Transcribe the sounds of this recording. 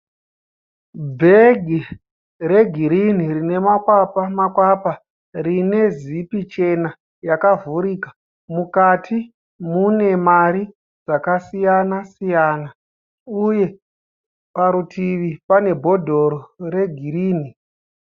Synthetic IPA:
bʱe̞ɡʱi | re̞ɡʱiɾinirine̞makwapamakwapa | rine̞zipit͡ʃe̞na | jakavuɾiːkḁ | mukatʰi | mune̞maɾi | d͡zakasijanasijana | uje̞ | paɾutʰiʋipane̞bʱo̞dʱo̞ɾoɾe̞ɡʱiɾiːni

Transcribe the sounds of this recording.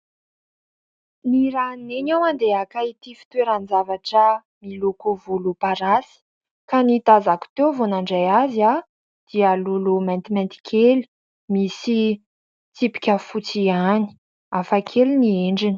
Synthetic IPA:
niɾaneɲawand̪eakait̪ifi̥t̪weɾanizavaʈ͡ʂə | milukovulupaɾasi̥ | kanit̪azaku̥t̪evonaɳɖ͡ʐajazia | d̪̥ialulumant̪imãnt̪i̥kʰeli̥ | misi | t̪ipi̥kʲəfut͡siani̥ | afakʰelinieɳɖ͡ʐini̥

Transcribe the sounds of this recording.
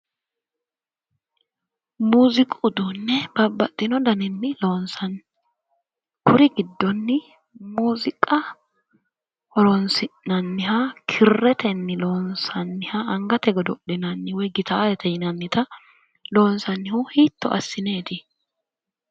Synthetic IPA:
muːzɪkʼʊd̪ʊnːɛbɐbːɐt̪ʼːɪnɔd̪ɐnɪnːɪlo̞ːnsɐn | kʰʊɾɪɡɪd̪ːɔnːɪ | muːzɪkʼɐ | hɔɾɔnsɪnɐnːɪɦakʰɪrːɛt̪ɛnːɪloːnsɐnːɪhaɐŋɡɐt̪ɛɡɔd̪ɔʔɪnɐnːɪwɔjɡɪt̪ʰaːlɛt̪ɛjɪnɐnːɪt̪ɐ | lo̞ːnsɐnːɪhʊhiːt̪ːɔ̰ʔɐ̰sːɪne̞ːt̪ɪ

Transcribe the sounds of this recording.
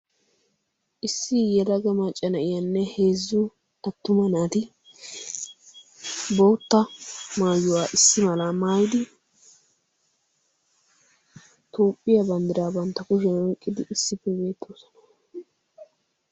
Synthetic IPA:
ʔɪsːɪjɛɾɐɡɐmɐt͡ʃʼːɐnɐɪjɐnːɛhe̞ːzːʊ | ɐt̪ːʊmɐnaːt̪ɪ | bo̞ːt̪ːɐmaːjːʊwaːʔɪsːɪmɐlaːmaːjɪd̪ɪ | t̪oːpʼːɪjɐbɐnd̪ɪɾaːbɐnt̪ːɐkʊʃɛnɔkʼːɪd̪ɪɪsːɪpːɛbe̞ːt̪ʰːoːsɐ̥nɐ̥

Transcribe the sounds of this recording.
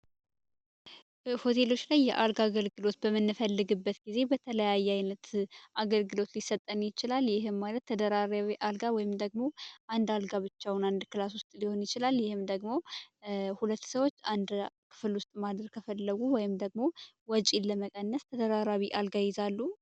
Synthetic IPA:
ho̞t̪ʰe̞lo̞t͡ʃːlajːɛ̰ʔalɡaɡəlɡɨlo̞t̪bəmɨnːɨfəlːɨɡɨbːət̪ɡ̥ize̞bət̪ʰələjajːɛajnət̪ʔaɡəlɡɨlo̞t̪lisːət̪ʼːənjɪt͡ʃɪlaljɪɦɨmːalət̪ʰːəd̪əɾaɾawiʔalɡawɔjɪmd̪əɡmo̞ʔand̪alɡaβɨt͡ʃːawʊnand̪kɨlaswʊst̪ʼliho̞njɪt͡ʃɪlaljɪhɨmd̪əɡmo̞ | hulət̪ːsəwo̞t͡ʃːand̪kʰɨ̥fɨlwʊst̪ʼmad̪ɾɨɾkʰəfəlːəɡuwɔjɪmd̪əɡmo̞ | wɔt͡ʃʼiləməkʼənːəst̪ʰəd̪əɾaɾawiʔalɡajɪzalːu

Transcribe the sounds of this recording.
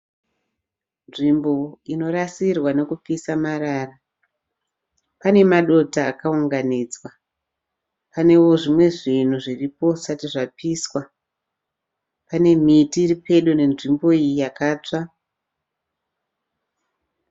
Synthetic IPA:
nʐimbo̞ino̞rasirwane̞kup͡fisamaɾaːra | pane̞maɗo̞taːkauŋɡaniːd͡zwa | pane̞wo̞ʐimwe̞ʐin̤uʐiripo̞satiʐapiswa | pane̞mitiːripe̞ɗune̞nʐimbo̞ijijakaːt͡ʂa

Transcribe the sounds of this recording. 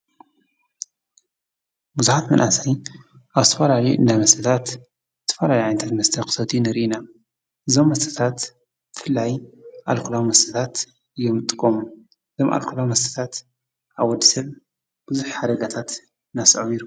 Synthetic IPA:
buzuħat̪mɐnʔasaj | ʔaβzɨt̪ʰɐfɐlalɐjuʔɨ̰nd̪amɐst̪ʰɨt̪ʰat̪ | zɨt̪ʰɐ̥fɐlaliʕajnt̪ʰat̪mɐst̪ʰɐkʰʼɨ̥sɐt̪ʰinɨɾʔina | ʔɨzo̞mːɐst̪ʰɨ̥t̪ʰat̪ | b̥ɨfɨlːajʔalkʰulawmɐst̪ʰɨt̪ʰat̪ | ɨjːomt̪ʼɨkʼːomu | ɨzomʔa̰lkʰulawmɐst̪ʰɨ̥t̪ʰat̪ | ʔaβwɔd̪ːisɐβ | b̥ɨzuħħad̪ɐɡat̪ʰat̪ | nasomiɾu

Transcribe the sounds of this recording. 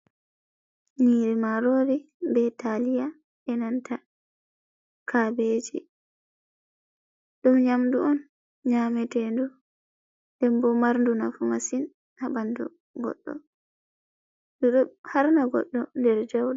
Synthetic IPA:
ɲiːɾɛmaɾoːɾi | bɛtalija | ɛnantʰa | kʰabed͡ʒḭ | ɗumɲamduɔn | ɲaːmɛtɛndu | dɛmbɔmaɾnduna̰fumasin | ʔabandɔ̰ | ɡɔ̰ɗːɔ̰ | duɗɔhaɾnaɡɔ̰ɗːɔndɛɾd͡ʒawɗa

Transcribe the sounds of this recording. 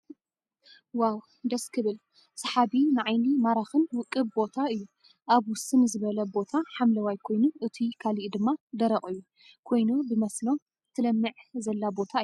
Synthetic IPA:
waw | d̪ɐskʰɨβɨl | sɐħaβinɨʕajnimaɾaxɨnwɨkʼːɨbbo̞t̪ʰaɨjːu | ʔaβwʊsɨnzɨβɐlɐbo̞t̪ʰaħamlɐwajkʰo̞jnuʔɨt̪ʰikʰaliʔd̪ɨmːad̪ɐɾɐχʼɨjːu | kʰo̞jnobɨmɐslo̞ | t̪ʰːɨlɐmːɨʕzɐlːabo̞t̪ʰaɨju

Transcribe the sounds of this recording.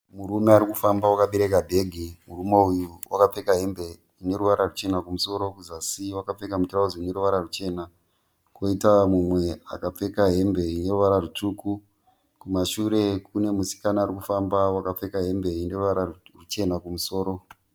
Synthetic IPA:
muɾumeaɾikufambawakaɓeɾe̞kabʱe̞ɡʱimurumo̞ujuwakap͡fe̞kaɦe̞mbe̞ | ine̞ɾuʋaɾarut͡ʃe̞nakumuso̞ɾo̞kuzasiwakap͡fe̞kamuturauziine̞ɾuʋaɾarut͡ʃe̞na | ko̞itamumwe̞a̰kap͡fe̞kaɦe̞mbe̞ine̞ruʋaɾarutuːku | kumaʃuɾe̞k̚une̞musi̥kanaːɾikufambawakap͡fe̞kaɦe̞mbe̞ine̞ruʋaɾarut͡ʃe̞nakumuso̞ːɾo̞

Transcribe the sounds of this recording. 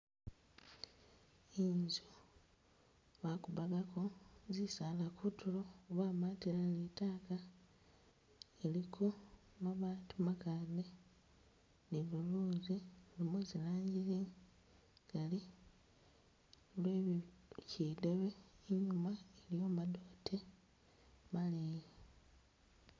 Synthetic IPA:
iːnzo | βakuβaɡakʰo̞zisaːlakʰutuloβaːmatilalitaːka | elikʰo | maβaːntumakade | niβuluːzilimezilaːɲɟiɾi | ɡ̥ali | lwecideβeiɲumaeljo̞ːmadotʰe | mali

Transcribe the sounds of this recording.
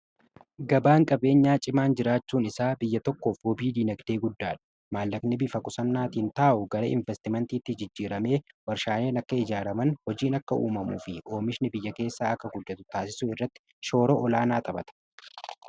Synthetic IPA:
ɡɐbaːŋkʼɐbe̞ːɲːaːt͡ʃʼɪmaːnd͡ʒɪɾaːt͡ʃːuːnɪsaːbɪjːɐt̪ɔkːo̞ːfhɔbiːd̪iːnɐɡd̪e̞ːɡʊd̪ːaːᶑɐ̥ | maːlːɐknɪbɪfɐkʼʊsɐnːaːt̪iːnt̪aːʔʊɡɐɾɐ̰ʔɪɱvɛst̪ɪmɛnt̪iːt̪ːɪd͡ʒɪd͡ʒːiːɾɐme̞ː | wɐɾʃaːne̞ːnɐkːɐɪd͡ʒaːɾɐmɐnhɔd͡ʒiːnɐkːɐʔṵːmɐmṵːfɪʔo̞ːmɪʃnɪbɪjːɐke̞ːsːaːɐkːɐɡʊd̪ːɐt̪ʊt̪aːsɪsʊɪrːɐt̪ːɪ̥ | ʃo̞ːɾoʔɔlaːnaːt̪ʼɐbɐt̪ɐ̥

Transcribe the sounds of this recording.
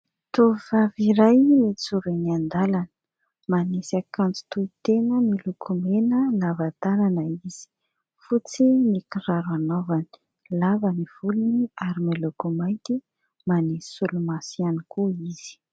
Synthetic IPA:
t̪oivaviɾajmit͡suɾeniand̪alanə̥ | manesakand͡zi̥t̪uit̪enəmilukʰumenəlavat̪ananəiz̥i̥ | fut͡simikiraɾanovani̥ | lavaniv̥uluniaɾimilukumajnt̪i | manesi̥sulumasianikuiz̥i̥

